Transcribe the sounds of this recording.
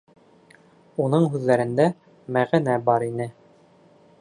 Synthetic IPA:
unɤɴɦʉðːæɾɘ̆nd̪æ | mæʁɘnæbɑɾinɘ

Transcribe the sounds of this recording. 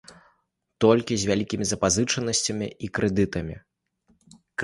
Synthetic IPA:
t̪ɔlʲkʲizʲvʲalʲikʲimʲizɐpazɨt͡ʂɐnɐsʲt͡sʲɐmʲḭikɾɛd̪ɨt̪ɐmʲḭ | k

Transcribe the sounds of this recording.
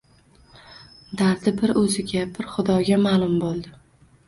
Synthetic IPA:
d̪aɾd̪ɪbɪɾɵzɪɡʲabɪɾχʊd̪ɒɡʲamaːlˠʊmbolˠd̪ɪ

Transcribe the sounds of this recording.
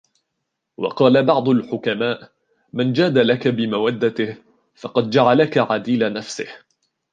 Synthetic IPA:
wɑ̰qɑːlabɑʕd̪ˤʊlħʊkamaːʔ | mand͡ʒaːd̪alakabɪmawad̪ːat̪ɪh | fɑqɑd̪̚d͡ʒaʕalakaʕad̪iːlanafsɪ̰h

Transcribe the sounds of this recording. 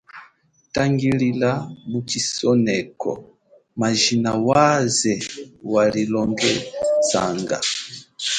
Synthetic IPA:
taŋɡililamut͡ʃisɔnɛkɔ̰ | maʒinawazɛwalilɔŋɡɛza̰ŋɡa̰

